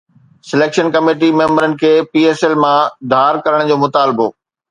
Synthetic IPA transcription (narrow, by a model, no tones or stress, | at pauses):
sɪleːkʃənkɐmeːʈimẽːmbəɾənɪ̆kʰeːpiːeːselmãd̪ʱaːɾkɐɾəɽ̃d͡ʑoːmʊt̪aːlɪbo̰ː